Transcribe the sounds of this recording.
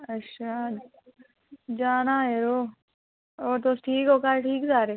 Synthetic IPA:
ɐtːʃʰa | d͡ʒaːnaːɦeɾoː | ɔːɾt̪osʈʰiːkoːkaːɾʈʰiːkzaːɾeː

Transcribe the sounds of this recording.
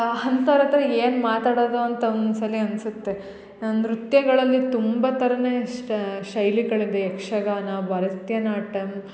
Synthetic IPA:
hɐnt̪ɐɾɐt̪ɐɾɐeːnmaːt̪aːɽoːd̪oɐnt̪ɐnsɐliɐnsut̪ːe | nɾut̪jɐɡɐɭɐlːit̪umbɐt̪ɐɾɐneːʃɐjliɡɐɭid̪ɐekʂɐɡaːnɐbʱɐɾɐt̪jɐnaːʈɐm

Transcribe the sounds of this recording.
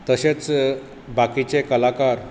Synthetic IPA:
t̪əɕet͡s | bakit͡ɕekəlakaɾ

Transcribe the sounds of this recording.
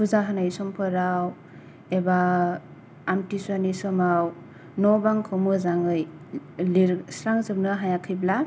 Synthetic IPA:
kʰuzaɦanajsɔmpʰɯɾaw | ebaː | mtiswanisɔmaw | nɔbaŋkʰɔmɯzaŋɯjliɾsɾaŋzɯp̚nɯɦajakʰɯjbla

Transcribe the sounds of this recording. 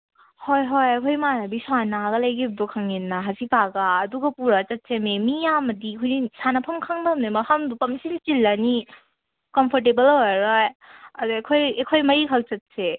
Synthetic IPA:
hojɦojɐkʰojmanabisuanaɡɐlajɡibdɔkʰaŋenːaɦasipaɡaːduɡɐpuɾat͡ʃɐt̚sememijamɐdikʰojnisanapʰɐmkʰaŋdamnamɐhamdupɐmsilt͡ʃilːani | kɔmpʰɔɾt̬ebɐloaɾajɐduekʰojekʰojmɐɾikʰawt͡ʃɐt̚se

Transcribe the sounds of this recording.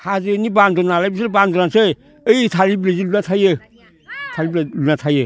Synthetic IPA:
hazɯnibandɔnalajbislbandɔnasɯ | əjtʰaɾiblɾezilunatʰajɯ | tʰaɾibɾalunatʰajɯ

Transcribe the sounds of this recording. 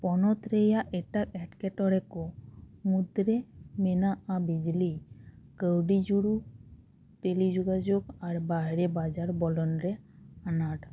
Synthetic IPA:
pɔnɔt̪ɾejaʔeʈakɛʈkeʈɔɾekomud̪ɾemenaabid͡ʒlikəwɖid͡ʒuɽu | p̪elid͡ʒoɡad͡ʒoɡaɾbaɦeɾebad͡ʒaɾbɔlɔnɾeanaʈ

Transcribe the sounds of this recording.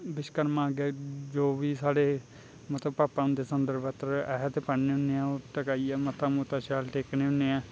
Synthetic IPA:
bɪʃkəɾmãːɡeːd͡ʒoːʋiːsaːɽeː | mət̪ləbpaːpãːʊ̃nd̪eːsənd̪əɾbət̪ɾɛːɦt̪epəɳneːɦʊnːeːãːoːʈ̪əkaːiːɛːmət̪aːmuːt̪aːʃaːlʈeːkneːɦʊnːeːãː

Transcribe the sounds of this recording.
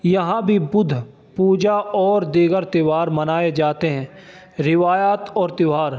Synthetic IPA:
jɐɦãbʱibʊd̪ʱ | puːd͡ʒaɔːɾd̪iːɡəɾt̪ɪʋaːɾmɐnaːed͡ʒaːt̪eɦɛ̃ː | ɾɪʋaːjaːt̪ɔːɾt̪ɪʋaːɾ

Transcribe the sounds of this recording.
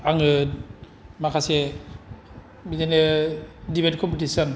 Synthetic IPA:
aŋɯ | makʰase | biɡenedibet̚kʰɔmpetisɔn

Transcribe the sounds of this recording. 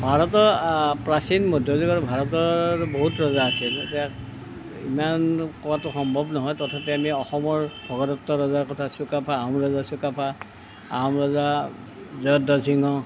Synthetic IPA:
bʱaɹɔtɔɹpɹasinmɔdʱjɔzɔɡaɹbʱaɹɔtɔboɦutɹɔzaːsiltiak | ḭmankɔɹatʊxɔmbʱɔbnɔɦɔjtɔtʰapɛamiɔxɔmɔɹbʱɔɡɔdɔtːɔɹɔzaɹkɔtʰasukapʰaːmɹɔzasukapʰa | a̰mɹɔza | zɔjɔdɔsiŋɔ

